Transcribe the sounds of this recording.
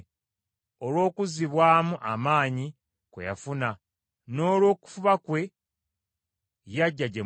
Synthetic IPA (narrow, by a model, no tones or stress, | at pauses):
olwo̞ːkuziβwaːmuʔa̰maːɲi | kwḛja̰funa | no̞ːlwo̞ːku̥fuβakwe̞ | jaɟːaɟe